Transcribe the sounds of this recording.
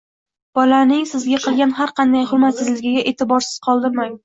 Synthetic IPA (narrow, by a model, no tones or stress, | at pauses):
b̥ɒlanɪŋsɪzɡʲaqʰɨlˠɡʲanɦaɾqɑnd̪ajhʊɾmat̪sɪzlɪɡʲɪɡʲaʔe̞t̪ʰɪbɒɾsɪ̥z̥qʰɒlˠd̪ɪmaŋ